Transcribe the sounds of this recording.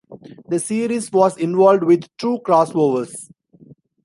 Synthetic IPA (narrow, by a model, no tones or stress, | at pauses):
d̪əsiːɾizʋɔːzɪ̃nʋɔːlɖʋɪd̪ʈuːkɾaːsʋoːʋəɾs